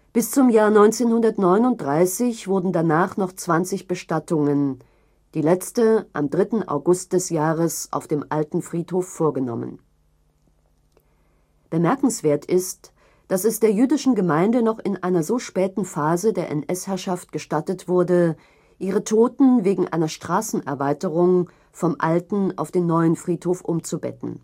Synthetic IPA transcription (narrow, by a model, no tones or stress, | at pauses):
b̥ɪst͡sʊmjaːɐnɔʏnt͡seːnhʊndɐtnɔʏnʊnt̚d̥ʁaɪsɪçv̥ʊɐdn̩danaːχnɔχt͡sv̥ant͡sɪçb̥əʃtatʰʊŋən | d̥iːlɛt͡stəʔa̰mdʁɪtn̩ʔa̰ʊɡʊst̚d̥ɛsjaːʁəsʔa̰ʊfd̥eːmʔaltn̩fʁ̥iːthoːfːoːɐɡənɔ̰mə̰n | b̥əmɛɐkŋ̩sv̥eːɐtʰɪst | d̥asɛsd̥eːɐjyːdɪʃn̩ɡəmaɪndənɔχɪnʔaɪnɐzoːʃpɛːtn̩faːzədeːɐʔɛ̰nʔɛshɛɐʃaft̚ɡ̥əʃtatətv̥ʊɐdə | ʔiːʁ̞ətʰoːtn̩veːɡŋ̩ʔa̰ɪnɐʃtʁ̥aːsn̩ʔɛɐvaɪtəʁʊŋ | fɔmʔa̰ltn̩ʔa̰ʊfd̥eːmnɔʏənfʁ̥iːthoːfʔʊmt͡subɛ̰tn̩